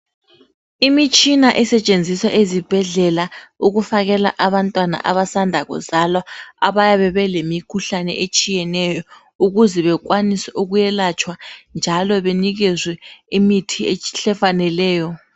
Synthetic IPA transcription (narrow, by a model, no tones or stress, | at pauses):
imit͡ʃʼinaʔɛsɛt͡ʃʼend͡zʱisaʔezib̥ʱɛɮɛlauɣufaɣɛla̰ʔaβantʼwana̰ʔa̰βasandʱaɣɔ̰zalɔaβajaβɛβɛlemikʰuɬanɛ̰ʔet͡ʃʼijɛnɛjɔ | uɣuzɛβɛk̬wanisɛʔuɣujɛlat͡ʃʼʰwand͡ʒʱalɔβeniɣɛzwɛimitʰieɬɛfanɛlɛːjɔ